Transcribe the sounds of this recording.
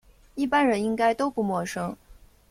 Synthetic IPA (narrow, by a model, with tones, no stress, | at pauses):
i˥˩pa˥nɻə˧˥ni˥ŋka˥ɪt̪o˥ʊpu˥˩mwɔ˥˩ʂɤ˥ŋ